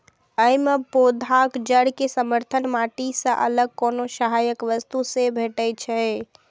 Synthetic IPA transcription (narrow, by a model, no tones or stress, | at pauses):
əjmepod̪ʱakd͡ʒəɽkesəməɾt̪ʰənmaʈisə̃ʔə̰ləɡ̚konosəɦajəkʋəst̪usebʱeʈət͡ʃʰɛ